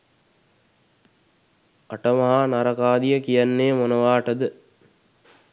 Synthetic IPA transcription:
aʈəmɐɦanaɾɐkaːd̪ijəkijanːeːmonəʋaːʈəd̪ə

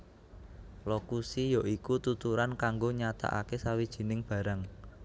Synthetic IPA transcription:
lokusijɔʔikut̪ut̪uɾankaŋɡoɲat̪a̰ʔa̰kesawid̥ʒ̥i̤nɪŋb̥ä̤ɾaŋ

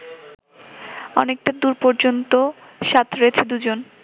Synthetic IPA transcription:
ɔnek̚ʈad̪uɾpɔɾd͡ʑont̪o | ʃat̪ʰɾeet͡ɕʰed̪ud͡ʑon

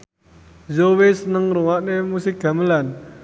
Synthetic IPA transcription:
zowesənəŋɾoŋaʔnemusikːaməlan

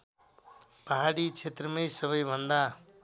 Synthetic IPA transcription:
paɦaɽit͡ʃʰet̪ɾʌmejsʌbʌjbʱʌnd̪a

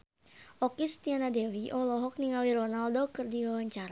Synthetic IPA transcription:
ʔɔkist̪ianadɛwiʔɔlɔɦɔk̚niŋaliɾɔnaldokɨrdiwawaɲt͡ʃaɾa

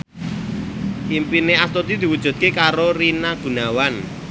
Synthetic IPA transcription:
ʔimpineast̪ot̪id̪̥i̤wud̥ʒ̥ṳt̪̚kekaɾoɾinaɡ̥ṳnawan

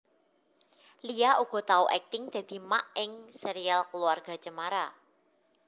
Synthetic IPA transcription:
lijauɡ̥ɔ̤t̪auʔɛk̚t̪ɪŋd̪̥ä̤d̪̥i̤maʔɪŋsɛɾialkəluarɡ̥a̤t͡ʃəmaɾa

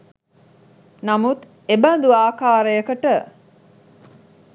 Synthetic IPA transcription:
nɐmut̪ | ebɐnd̪uaːkaːɾəjəkəʈə

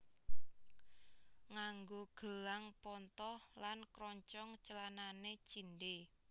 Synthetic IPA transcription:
ŋaŋɡoɡ̥ə̤laŋpɔnt̪ɔhlankɾɔɲt͡ʃɔŋt͡ʃəlananet͡ʃinɖe

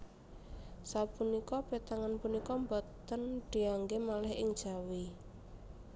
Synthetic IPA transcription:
sapunikɔb̥et̪aŋanpunikɔmbɔt̪ənɖ̥i̤aŋɡemalɛɦɪŋd̥ʒ̥a̤wi

